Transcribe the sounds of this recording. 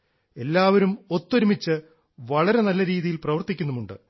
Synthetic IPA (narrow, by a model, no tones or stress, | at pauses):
e̞lːaːʋɐɾumo̞t̪ːoɾumit͡ɕːɨ | ʋɐɭɐɾe̞nɐlːɐɾiːðijilprɐʋɐrt̪ikʲːunːumuɳɖɨ̰